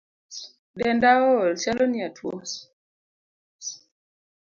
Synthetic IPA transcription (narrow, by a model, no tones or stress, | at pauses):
ɗɛndaolsaloniatwo